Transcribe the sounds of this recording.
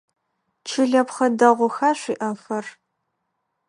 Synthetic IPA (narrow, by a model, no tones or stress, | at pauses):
t͡ʃʰɪɮɐpχɐdɐʁʷʊxaːɕʷiːʔɐfɐr